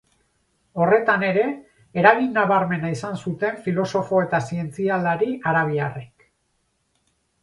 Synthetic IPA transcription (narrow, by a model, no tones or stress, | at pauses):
o̞re̞t̪ane̞ɾe̞ː | ɾaɣinːaβaɾme̞naisansut̪e̞ɱfilo̞so̞fo̞e̞t̪asie̞nt͡siald̪aɾiʔaɾaβiarek